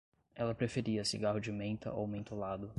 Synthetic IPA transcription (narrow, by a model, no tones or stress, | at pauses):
ɛlɐpɾefeɾiɐsḭɡaɦʊd͡ʒɪmẽnt̪ɐ̰ʔowmẽnt̪olad̪ʊ